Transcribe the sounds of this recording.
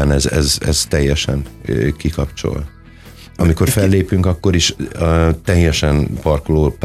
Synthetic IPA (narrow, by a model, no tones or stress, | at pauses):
aːnɛzɛ̰zɛ̰z̥t̪ɛjːɛʃɛ̰nkikɒpt͡ʃo̞̰l | ɒmikorfɛlːeːpyŋkɒkːo̞ɾiʃ | t̪ɛjːɛʃɛnpɒrkoloːp